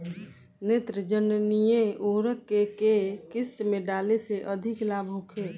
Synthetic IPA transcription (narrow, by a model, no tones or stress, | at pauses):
net̪ɾəd͡ʒənnijeoɾəkːekekɪst̪meɖaleseʔəd̪ʱiklabʱɦokʰe